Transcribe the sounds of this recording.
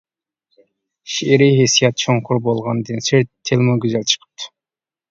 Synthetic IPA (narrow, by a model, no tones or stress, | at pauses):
ʃeɾiɦesijɑt̪̚t͡ʃʰoɴqʰuɾbolˠʁɑnd̪enseɾt̪ʰːelʲˠmoɡʲyzælʲt͡ʃʰə̥qʰə̥p̚t̪ʰɨ̥